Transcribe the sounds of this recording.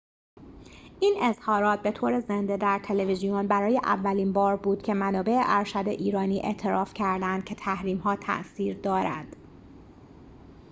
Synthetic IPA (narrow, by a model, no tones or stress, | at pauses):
ʔiːne̞z̥hɒːɾɒːt̪̚ʰbe̞t̪ʰoːɾe̞zend̪ed̪æɾt̪ʰe̞levizijonbæɾɒːje̞ʔæ̰vːæliːnbɒːɾbuːd̪̥cʰe̞mænɒːbe̞ʔeʔæɾʃæd̪eʔiːɾɒːniːʔe̞̰ʔt̪ʰe̞ɾɒːfcʰæɾd̪ænd̪̥̚cʲʰe̞t̪ʰæhɾiːmɦɒːt̪ʰæ̰ʔsiːɾd̪ɒːɾæ̰d̪̥